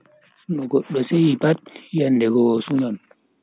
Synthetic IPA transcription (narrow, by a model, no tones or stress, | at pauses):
sunɔɡɔɗːɔsejipat̚janːdɛɡɔsuɲɔn